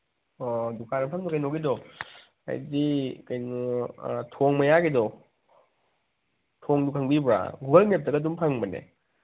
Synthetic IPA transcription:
ɔdukʰanɐpʰaŋbakajnoɡidɔ | a̰jdikajnutʰoŋmajaɡidɔ | tʰoŋdukʰaŋbibɾa̰ɡuɡalnep̚tɐɡadumpʰaŋbɐnḛ

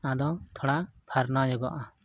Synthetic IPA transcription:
ad̪ɔt̪ʰɔɽapʰaɾnad͡ʒɔɡɔʔa

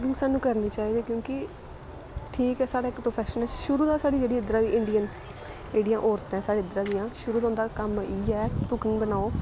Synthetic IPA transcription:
kɪ̃ŋsaːnːũːkəɾniːt͡ʃaːiːd̪eːkjõːkɪ | ʈʰiːkɛːsaːɽaːkpɾoːpʰɛːʃnəlʃʊɾuːd̪aːsaːɽiːd͡ʒeːɽiːɪd̪ɾaːd̪iːʔɪɳɖijən | d͡ʒeːɽijãːʔoːɾt̪ɛ̃ːsaːɽeːɪd̪ɾãːd̪ɪjãːʃʊɾuːd̪ãːʊnd̪aːkəmiːɛːt̪ʊkɪ̃ŋɡbənaːoː

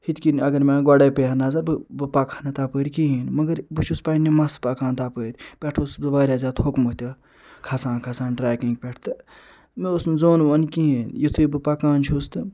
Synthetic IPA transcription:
hit̪kinɐɡɐɾmʲãːɡaɽɐːpeɐnazɐbɨbɨpakʰanɐt̪apəːɾʲkiɦiːnmɐɡɐɾbɨt͡ʃʰuspaːnːimɐspakãːnt̪apəːɾʲpʲɛʈʰoːsɨʋaːɾʲaːzaːt̪hokmot̪ʲɐ | kʰɐsãːkʰɐsaːnɖɾaːjkĩŋɡpʲeʈʰt̪ɨ | meosnzoːnʋɐnkiɦinjit̪ʰuibɨpakaːnt͡ʃʰust̪ɨ

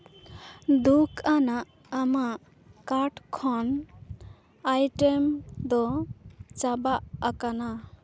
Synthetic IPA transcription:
d̪ukʰanaʔː | maʔ | kaɾʈkʰɔn | ajʈemd̪ɔ | t͡ʃabaʔakana

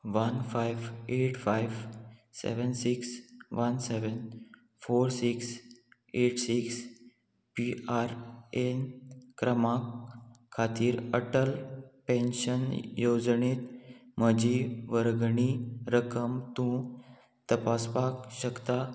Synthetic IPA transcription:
ʋənfajʋeʈfajʋsḛʋənsiksʋənseʋən | foɾsiks | eʈsiks | piaɾenkɾəmakʰː | at̪iːɾəʈəlpẽnɕənjod͡zɳiːt̪m̤əd͡ʑiʋəɾɡɳiɾəkəmt̪ũ | t̪əpaspakɕəkt̪a

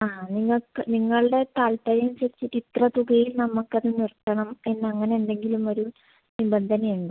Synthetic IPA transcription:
aːniŋːɐɭkːɨniŋːɐɭɨɽe̞t̪aːlpɐɾɐjumɕiɾit͡ɕːiʈːit̪rɐt̪uɡɐjilnɐmːukːɐðɨnirkːɐɳɐme̞nːɐŋːɐne̞ːnɖe̞ŋɡilumo̞ɾu | nibɐnd̪ʱɐnɐjuɳɖɨ

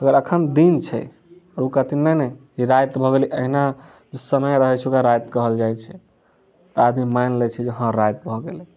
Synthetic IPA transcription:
əɡəɾəkʰənd̪int͡ʃʰɛ̰ | ɾukat̪inəjnɛ | iɾajt̪bʱɔɡeliʔəɦina | d͡ʒesəməjɾəɦɛt͡ʃʰukaɾajt̪kəɦəld͡ʒajt͡ʃʰɛ | t̪əad̪mimajnlɛt͡ʃʰɛd͡ʒeɦə̃ɾajt̪̚bʱɔɡelɛ

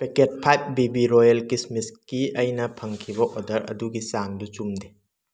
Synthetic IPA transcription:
peket̚pʰajp̚bibiɾojɐlkismiskiɐjnɐpʰɐŋkʰibɐʔodɐɾɐ̰duɡisaŋdut͡ʃumde

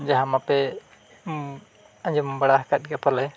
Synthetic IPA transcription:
d͡ʒaɦamapɛ | ãd͡ʒɔmbaɽaɦkat̪̚ɡapɔɾlɛj

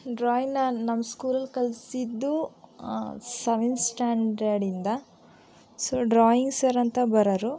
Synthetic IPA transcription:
ɖɾaːjinɐnɐmːɐskuːlɐlkɐlsid̪ːu | sɐʋinsʈaːɳɖɐɾɖind̪ɐ | soɖɾaːjiŋɡsɐɾɐnt̪ɐbɐɾɐɾu

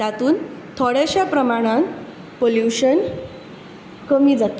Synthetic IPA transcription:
t̪at̪uːnt̪ʰoɽeɕapɾəmaɽ̃ãn | poljuɕən | kəmiːd͡zat̪

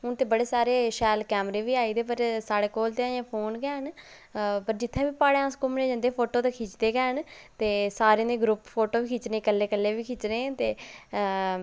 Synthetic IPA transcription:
ʊnt̪eːbəɽeːsaːɾeːʃɛːlkɛːmɾeːʋiːaːiːd̪eːpəɾsaːɽeːkoːlt̪eːaːjãːpʰoːnɡɛːɦən | pəɾd͡ʒɪt̪ʰːẽːʋiːpaːɽeãːskʊmnẽːd͡ʒə̃nd̪eːpʰoːʈoːt̪eːkʰiːt͡ʃd̪eːɡɛːɦn | t̪eːsaːɾẽːd̪eːɡɾʊppʰoːʈoːʋiːkʰit͡ʃnẽːkəlːeːkəlːeːʋiːkʰiːt͡ʃnẽːt̪eː

